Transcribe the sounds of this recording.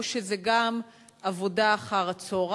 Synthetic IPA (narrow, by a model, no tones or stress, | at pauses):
ʃezeɡam | avo̞daːχaʁat͡soʁ